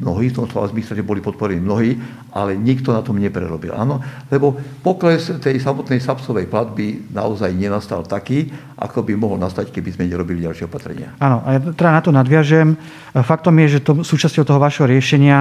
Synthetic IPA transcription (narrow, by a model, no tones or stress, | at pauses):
mnɔɦiːft̪ɔmt̪ɔ̰a̰zmisɛʒɛbɔlipɔt̪̚pɔɾɛniːmnɔɦiː | ʔa̰lɛɲikt̪ɔnat̪ɔmɲɛpɾɛ̰ɾɔbḭlʔa̰ːnɔlɛbɔpɔklɛst̪ɛjsamɔt̪nɛjsapsɔʋɛjplad̪bina̰ɔzajɲɛnast̪a̰lt̪akiː | ʔa̰kɔbimɔɦɔlnast̪ackɛbizmɛɲɛɾɔbiliɟalʃɪɛɔpat̪ɾɛ̰ɲɪa̰aːnɔʔajat̪ɛd̪anat̪ɔnad̪ʋɪaʒɛm | fak̚t̪ɔmjɛʒɛt̪ɔsuːt͡ʃascɔʊt̪ɔɦɔʊʋaːʃɦɔɾɪɛʃɛɲɪa